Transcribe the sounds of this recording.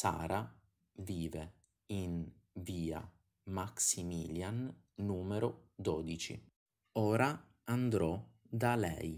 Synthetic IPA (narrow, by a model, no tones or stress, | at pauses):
sa̰ːɾa | viːve | in | viːa̰ | maksimiːljanː | uːmeɾod̪ɔːd̪it͡ʃḭ | ɔːɾa | and̪ɾɔ | d̪alɛ̰j